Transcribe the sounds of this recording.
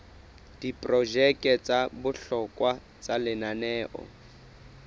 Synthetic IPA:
d̥ipʼrɔʒɛkʼɛt͡sʼabʊɬɔkʼwa | t͡sʼalɪnanɛːʔɔ̰

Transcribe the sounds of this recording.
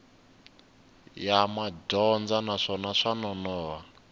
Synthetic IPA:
jamadɔnd͡zanaʂɔnaʂanɔnɔːwa

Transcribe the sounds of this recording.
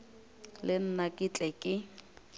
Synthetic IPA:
lɪn̩nakʼit͡ɬʼɛkʼɪ

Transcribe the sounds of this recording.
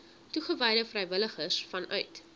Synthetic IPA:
tuχəvɛjdəfrɛjvələχəsfɐnʔœ̰ɥt

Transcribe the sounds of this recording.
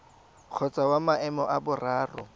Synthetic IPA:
q͡χʰɔt͡sʼawamaɛmɔʔabʊraːrʊ̰

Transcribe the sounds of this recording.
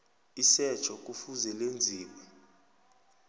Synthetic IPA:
isɛt͡ʃʰɔk̬ʼufuzɛlend͡zʱiːwɛ

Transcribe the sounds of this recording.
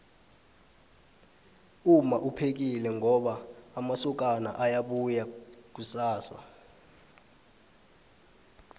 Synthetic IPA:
umaʔupʰek̬ilɛŋɔɓaːmasuk̬ʼana̰ʔajaɓujak̬usaːsa̰

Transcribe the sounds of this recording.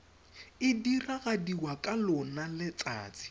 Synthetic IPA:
ɪdiraɣadiwakʼalʊnalɪt͡sa̰ːt͡sʼɪ̥

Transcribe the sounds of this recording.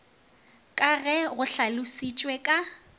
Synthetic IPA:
kʼaɣɛɣʊɬalʊsit͡ʃʼwɛkʼa

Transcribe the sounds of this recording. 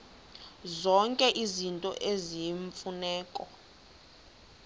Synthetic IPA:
zɔŋkʼɛʔizintʼɔ̰ʔeziɱfunɛːkʼɔ

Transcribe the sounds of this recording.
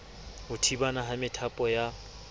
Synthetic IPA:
ʊtʰibanaɦamɪtʰapʼɔja

